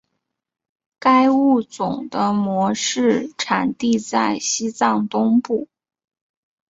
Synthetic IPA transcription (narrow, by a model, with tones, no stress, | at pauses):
ka˥ɪu˥˩t͡sʊ˨˩ŋd̪ə˦mwɔ˧˥ʂɻ̩˥˩ʈ͡ʂʰa˨˩nt̪i˥˧t͡sa˥˩ɪɕi˥t͡sɑ˥˩ŋt̪ʊ˥ŋpu˥˩